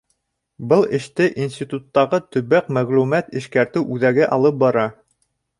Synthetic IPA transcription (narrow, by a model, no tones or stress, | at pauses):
bɤlˠɘ̆ʃt̪ɘʔinsʲt̪ʲit̪ut̪ːɑʁɤt̪ɵ̆βæk̚mæʁlumæt̪ɘ̆ʃkæɾt̪ɘwʔʉðæɡɘʔɑlˠɤp̚bɑɾɑ